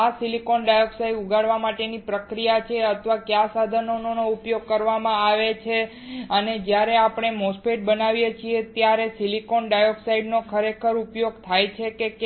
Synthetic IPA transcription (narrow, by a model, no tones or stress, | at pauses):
asilikonɖajoksajuɡaɽʋamaʈenipɾəkɾijat͡ʃʰeət̪ʰʋakjãsad̪ʱənononoupjoɡ̚kəɾʋamãaʋet͡ʃʰe | əned͡ʒjaɾeapɳ̃emospeʈ̚bənaʋjet͡ʃʰiet̪jaɾesilikonɖajoksaiɖnokʰəɾekʰəɾupjoɡt̪ʰajt͡ʃʰekek